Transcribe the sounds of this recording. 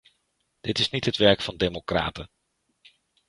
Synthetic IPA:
d̥ɪtɪsnitɦətʋɛɹkfɑndejmokra̰ːtə

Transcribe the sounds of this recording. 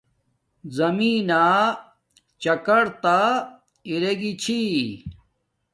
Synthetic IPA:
zɐmiːnaː | t͡ɕɐkɐɽt̪a | iɾeɡit͡ɕʰi

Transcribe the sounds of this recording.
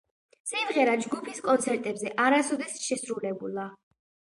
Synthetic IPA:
simʁɛɾad͡ʒɡupʰiskʼɔnt̪sʰɛɾt̪ʼɛbzɛʔaɾasɔd̪ɛsʃɛsɾulɛbulˠa

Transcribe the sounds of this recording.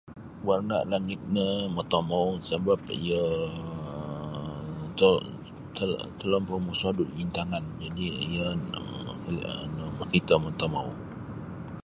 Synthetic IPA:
warna̰ʔlaŋɪt̪̚nəmət̪omawsəbap̚ḭjə | t̪ə | t̪ət̪əlɔmpəmusadʊt̪̚int̪aŋand͡ʒadiijə | lnəməkit̪əmət̪omaw

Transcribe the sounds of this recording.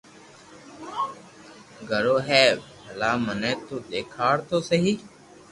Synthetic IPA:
ɡʱəɽoːɦɛːbʱəlaːmənɛːt̪oːɗ̪eːkʰaːɽt̪oːsəɦiː

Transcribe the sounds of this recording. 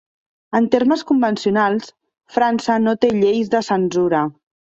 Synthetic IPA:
ənt̪erməskumbənsiunalˠs | fɾansənot̪eʎejzðəsənzuɾə

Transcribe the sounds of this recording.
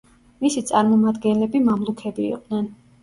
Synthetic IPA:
misit̪sʼaɾmɔmad̪ɡɛnlɛbimamlˠukʰɛbḭːqʼd̪̥nɛn

